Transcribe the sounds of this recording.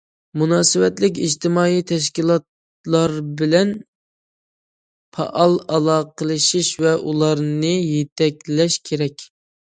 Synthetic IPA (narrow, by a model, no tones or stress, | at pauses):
munɑːsɨwɛt̪lɪk̬ʲid͡ʒt̪ɪmɑːijt̪ʰɛʃ̬kʲilˠɑt̪ | lˠɑɾbɪlɛn | pʰɑ̰ʔɑlˠɑlˠɑːqəlˠɨʃiʃvɛʔulˠɑɾnɨjet̪ʰɛkʲlɛʃkʲʰeɾɛkʲ